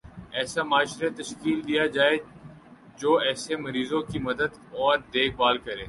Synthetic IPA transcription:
ɛːsamaːʃɾet̪ɐʃkiːld̪ijad͡ʒaːe | d͡ʒoːɛːsemɐɾiːzõkimɐd̪əd̪ | ɔːɾd̪eːkʰbaːlkɐɾẽː

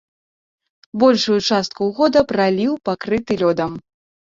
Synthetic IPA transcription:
bɔlʲʂujut͡ʂast̪̚kuwɣɔd̪ɐpɾalʲiwpakɾɨt̪ɨlʲɔd̪ɐm

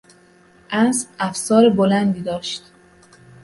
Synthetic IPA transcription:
ʔæsæfsɒːɾebolænd̪iːd̪ɒːʃt̪

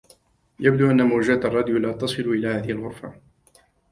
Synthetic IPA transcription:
jab̚d̪uːʔanːamʊːd͡ʒat̪ɑrˤːɑd̪jlaːt̪ɑsˤɨluʔɪlaːhaːðɪhɪlɣʊɾfa

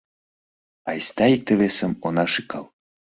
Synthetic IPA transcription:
ɑjst̪ɑik̚t̪eβesəmonɑʃikɑl

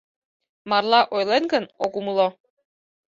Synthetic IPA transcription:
mɑrlˠɑʔojlenɡənokumlˠo

